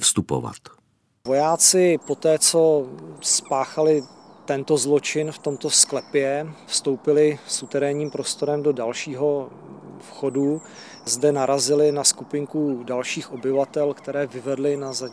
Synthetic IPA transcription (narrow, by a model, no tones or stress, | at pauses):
fst̪upo̰va̰t̪ | vo̞jaːt͡sɪpo̞t̪ɛːt͡so̞spaːxalɪ | t̪ɛnt̪o̞zlo̞t͡ʃɪnft̪o̞mt̪o̞sklɛpjɛfst̪o̞wpɪlɪsut̪ɛɾɛːɲiːmpɾo̞st̪o̞ɾɛmdo̞dalʃiːɦo̞ | fxodu | zdɛnaɾazɪlɪnaskupɪŋkudalʃiːxʔo̞bɪvat̪ɛlkt̪ɛɾɛːvɪvɛdlɪnaza